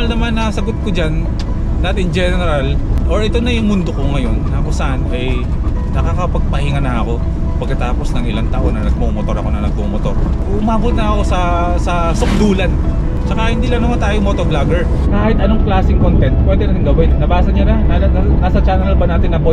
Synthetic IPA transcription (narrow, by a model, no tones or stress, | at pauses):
ɐlnɐmanːɐsɐɡot̪̚kod͡ʒanː | aːt̪ɪnd͡ʒɛːnɛɛɾalʔo̞ɹʔɛt̪o̞nɐjʊŋmʊnd̪o̞koŋɐjo̞nːɐɐkosɐʔanɐj | nɐkakɐpɐɡ̚pɐhɪŋanɐɐko̞ | pɐɡ̚kɐt̪aːpo̞snɐŋʔɪlant̪ɐʔo̞nːɐnɐɡ̚momot̪o̞ɾɐko̞nɐnɐɡ̚pomot̪o̞ɾ | ʊmaːbot̪̚nɐʔɐko̞sɐ | sɐ | sʊk̚d̪uːlɐn | t͡ʃɐkahɪnd̪iːlɐŋnɐmant̪aːjomot̪oblaɡɛɹ | kaːhɪt̪ʔɐnoŋklaːsɪŋkont̪ɛnt̪̚kwɛnd̪ɛnɐɡɪŋɡɐwɪnːɐbaːsɐɲanɐnalasɐt͡ʃaːnɛɾɐlbɐnaːt̪ɪnːɐbo